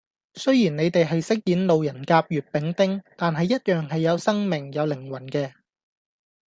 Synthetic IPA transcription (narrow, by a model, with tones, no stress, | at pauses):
sɵ˥ɥjiː˨˩nne˨˧jt̪e˨jɦɐ˨jsɪ˥k̚jiː˨˥nlo˨wjɐ˨˩nkaː˧p̚jyː˨t̚pɪ˨˥ŋt̪ɪ˥ŋt̪aː˨nɦɐ˨jːɐ˥t̚jœː˨˩ŋɦɐ˨jːɐ˨˧wsɐ˥ŋmɪ˨˩ŋjɐ˨˧wlɪ˨˩ŋwɐ˨˩nkɛː˧